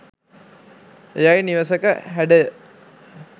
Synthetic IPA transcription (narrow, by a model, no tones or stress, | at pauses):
ejajniʋəsəkəɦæɖə